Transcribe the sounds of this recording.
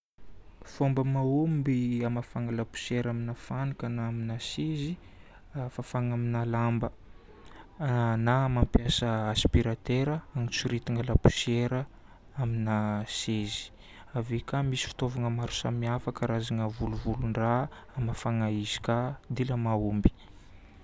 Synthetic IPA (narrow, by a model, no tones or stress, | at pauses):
fombəmaumbiamafaŋəlapu̥seɾaminafanikənaminasezi | afafaŋaminalambə | namampjasəaspiɾat̪eɾəaŋit͡suɾit̪iŋəlapu̥seɾə | aminasezi̥ | avekamisi̥fi̥t̪ovaŋəmaɾu̥samiafakəɾazaŋəvuluvuluɳra | amafaŋaizi̥kad̪iləmaumbi̥